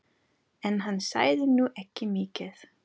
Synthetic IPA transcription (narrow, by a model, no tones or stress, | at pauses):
ɛnɦanːsa̰ːjðɪnuʔɛhcːɪmiːcɪθ